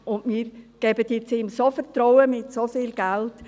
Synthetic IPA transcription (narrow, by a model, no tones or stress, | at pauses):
ʊndmiːɾɡ̥ɛbədɪt͡sɪmsofəɾtɾɔwəmɪtsofiːlɡ̥ælt